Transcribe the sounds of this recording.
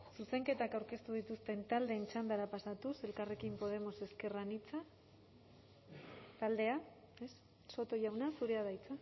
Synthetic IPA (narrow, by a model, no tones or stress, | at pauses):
suse̞ŋke̞t̪akawɾke̞st̪uð̞it̪ust̪e̞nt̪ald̪e̞ːnt͡ʃand̪aɾapasat̪use̞lkare̞kimpo̞ð̞e̞mo̞se̞ske̞ranit͡sa | t̪ald̪e̞a | esː | o̞t̪o̞ʝawnasuɾe̞aðajt͡sa